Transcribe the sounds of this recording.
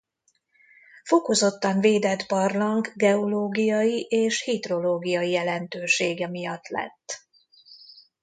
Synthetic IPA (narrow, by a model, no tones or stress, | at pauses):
fo̞ko̞zo̞t̪ːɒɱveːd̪ɛd̪bɒrlɒŋɡɡɛo̞loːɡijɒjiʔeːʃhid̪ro̞loːɡijɒjijɛlɛnt̪øːʃeːɡɛmijɒt̪ːlɛ̰t̪ː